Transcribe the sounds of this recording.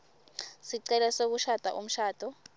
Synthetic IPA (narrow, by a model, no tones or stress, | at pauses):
siǀɛlɛsok̬uʃad̥ʱa̰ʔum̩ʃaːd̥ʱɔ